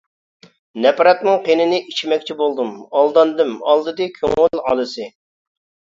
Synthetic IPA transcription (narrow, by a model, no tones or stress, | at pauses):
nɛpɾɑt̪nɨŋqenɪnɪʔit͡ʃʰimɛkʲt͡ʃʰibolˠd̪ɨmɑlˠd̪ɑnd̪ɨmɑ̰lˠd̪ɨd̪ɨkʲʰø̰ŋɪlɑ̰lˠɨsɨ